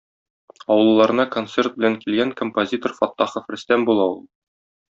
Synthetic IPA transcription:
ɒwɤ̆lˠːɑɾɤ̆nɑkont̪sert̪̚bɘ̆læŋkilɡæŋkompozʲit̪orfɒt̪ːɑχofɾɘ̆st̪æmbulˠɑulˠ

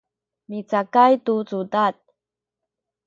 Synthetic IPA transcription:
mit͡sakajtut͡sudat̚

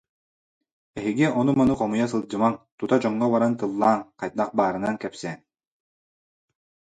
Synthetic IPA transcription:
ɛɦiɡiɔnumɔnuqɔmujas̬ɯlˠd͡ʑɯmaŋt̪ut̪ad͡ʑɔŋːɔβaɾant̪ɯlˠːaːŋqajt̪̚naq̚baːɾɯnaŋkɛpsɛn

